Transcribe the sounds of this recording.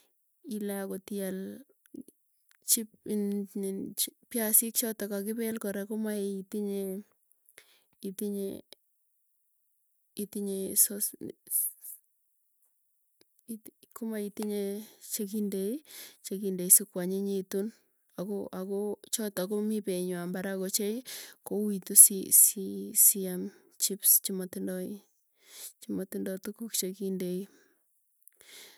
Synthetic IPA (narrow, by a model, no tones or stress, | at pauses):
ilakotijal | t͡ʃip̚n | pjasik̚t͡ʃɔtakakɪbɛlkɔɾekomaeitiɲe | itiɲḛ | itiɲesɔs | kʊmaitiɲet͡ʃek̬indeit͡ʃekindeisikwaɲeɲitun | akoʔakot͡ʃɔtakomipeɲwambaɾakot͡ʃejkowitusisisiam | t͡ʃipst͡ʃimatindɔi | t͡ʃimotindɔtukukt͡ʃekindei